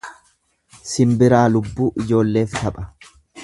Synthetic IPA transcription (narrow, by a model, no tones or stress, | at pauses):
sɪmbɪɾaːlʊbːuːʔɪd͡ʒo̞ːlːe̞ːft̪ɐpʼɐ